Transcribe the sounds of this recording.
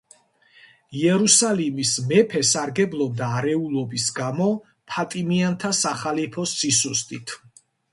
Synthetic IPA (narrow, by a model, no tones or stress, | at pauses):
iɛɾusalimismɛpʰɛsaɾɡɛblˠɔb̚d̪aːɾɛulˠɔbisɡamɔ | pʰat̪ʼimiant̪ʰasaχalipʰɔsːisust̪ʼit̪ʰ